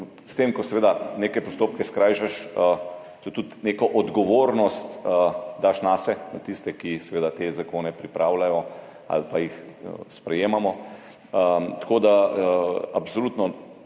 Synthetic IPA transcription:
st̪eːmkɔsɛʋeːd̪aneːkɛjpɔst̪oːp̚kɛskɾaːjʃɛʃə | t̪ot̪ut̪neːkɔʔɔd̪ɡɔʋoːɾnɔst̪d̪aʃnaːsɛnat̪ist̪ɛkisɛʋeːd̪at̪ezakoːnɛpɾipɾaːwlajɔ | a̰lpajixspɾɛjeːmamɔ | ət̪koːd̪a | absoluːt̪nɔ

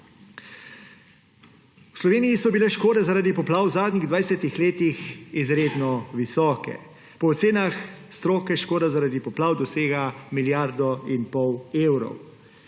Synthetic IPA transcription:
wslɔʋeːnijisɔbilɛʃkoːd̪ɛzaɾaːd̪ipɔplaːwzaːd̪nʲiɣd̪ʋajsɛt̪ixleːt̪ixizɾeːd̪nɔʋisɔːkɛ̰ | pɔːt̪seːnaxst̪ɾoːkɛʃkoːd̪azaɾaːd̪ipɔplaːwd̪ɔseːɡamiljaɾd̪ɔinpɔweːwɾɔ̰w

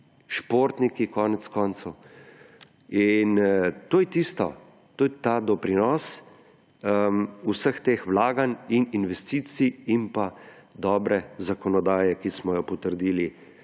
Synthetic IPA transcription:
ʃpoːɾt̪nikikɔːnɛt̪skɔːnt̪sɐw | int̪oːjɛt̪ist̪ɔ | t̪oːjɛt̪aːd̪ɔpɾinɔːs | usəxt̪eːxwlaːɡanininʋɛst̪iːt̪siimpad̪ɔːbɾɛzakɔnɔd̪aːjɛkismɔjɔpɔt̪əɾd̪iːli

